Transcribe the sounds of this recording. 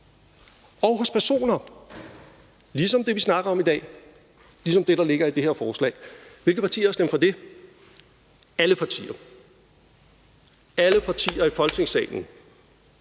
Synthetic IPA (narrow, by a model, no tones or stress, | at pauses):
ɒʊɦɔ̽spʰæɐso̝̰ːnɐ | lis̬ɒ̽md̥e̝ʋisnɑ̈ɡ̥ɐɒ̽mid̥ɛ̰ː | lis̬ɒ̽md̥e̝ɾ̥ɑ̈le̝ɡ̥ɐid̥e̝heɐ̰fɒːslɛ̰ːɪʋe̝lɡ̥ð̩pʰɑ̈t͡sʰḭːɐsd̥emfɒ̽d̥e̝ | æləpʰɑ̈t͡sʰḭːɐ | æləpʰɑ̈t͡sʰḭːɐifɒ̽l̥t͡sʰe̝ŋsɛ̰ːɪn̩